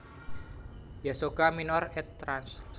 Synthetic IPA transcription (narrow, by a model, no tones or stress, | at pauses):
jasoɡ̥aminɔrɛt̪ːɾans